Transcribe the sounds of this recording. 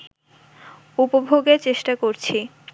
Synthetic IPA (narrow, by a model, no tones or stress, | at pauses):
upobʱoɡeɾt͡ɕeʃʈakoɾt͡ɕʰi